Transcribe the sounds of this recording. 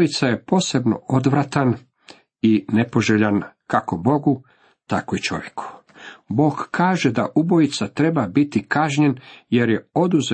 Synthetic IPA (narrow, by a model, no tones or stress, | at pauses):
it̪saje̞po̞ːse̞bno̞̰od̪ʋɾat̪an | inepo̞ʒeʎankako̞bo̞ɡu | t̪a̰koit͡ʃo̞̰ʋjekʰu̥ | bo̞ːɡkaːʒe̞d̪aʔubo̞it̪sat̪ɾe̞babit̪ikaʒɲe̞nje̞ɾje̞o̞d̪uze